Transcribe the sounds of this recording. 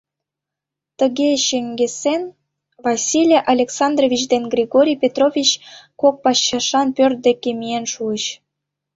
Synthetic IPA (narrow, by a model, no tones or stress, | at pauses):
t̪əɣeɕeŋɡesen | vɑsʲilʲeʔɑlʲeksɑnd̪rovʲit͡ɕd̪enɡrʲiɣoɾʲijpʲet̪rovʲit͡ɕkok̚pɑɕːɑʃɑnpørt̪̚d̪ekʲemijenʃuəɕ